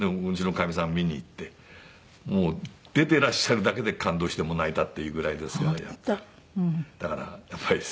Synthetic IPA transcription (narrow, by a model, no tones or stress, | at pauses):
neot͡ɕinokamʲisãmmʲiɲ̟iːt̪ːe̞ | moː | d̪̥e̞t̪e̞ɾaɕːaɾɯ̟d̪ake̞d̪e̞kãnd̪o̞ːɕi̥t̪emo̞nait̪at̪ːe̞jɯ̟ːɡɯ̟ɾaid̪e̞sɨ̥kaja | d̪̥akaɾa̰japːaɾʲi